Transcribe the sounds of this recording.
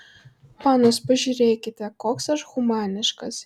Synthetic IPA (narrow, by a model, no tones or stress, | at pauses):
mɑːnospɐʒʲuːɾʲeːkʲɪt̪ʲɛkoːksɐʃɣʊmɑːnʲɪʃkɐs